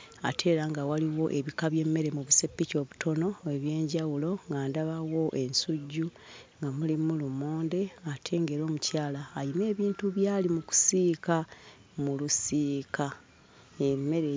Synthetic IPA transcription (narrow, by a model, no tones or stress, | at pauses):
a̰tʰe̞ːɾaŋɡawaliwo̞ʔe̞βikaβje̞mːe̞ɾe̞muβuse̞pːico̞ːβutʰo̞no̞e̞βje̞ːɲɟawulo̞ŋɡaːndaβawo̞ʔe̞nsuɟːu | ŋɡamulimulumoːnde̞atʰe̞ːŋɡe̞ɾo̞ːmucaːlaːjime̞ːβiːntuβjaːlimuku̥siːka | mulusiːka | emːe̞ɾe